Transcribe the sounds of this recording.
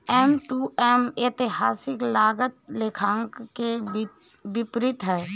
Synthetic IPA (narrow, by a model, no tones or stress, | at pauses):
ɛmʈuːɛmeːt̪ɪɦaːsɪklaːɡət̪lekʰãːŋkke | ʋɪpɾɪt̪ɦɛː